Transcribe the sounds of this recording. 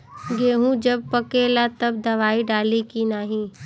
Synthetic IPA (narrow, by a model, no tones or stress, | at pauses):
ɡeːɦũd͡ʒɐb̚pəkelat̪ɐb̚d̪ɐʋaːiɖaːlikinaːɦĩː